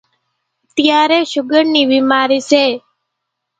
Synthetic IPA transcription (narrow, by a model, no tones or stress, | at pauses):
t̪jaːɾeʃʊɡəɳniːʋimaːɾise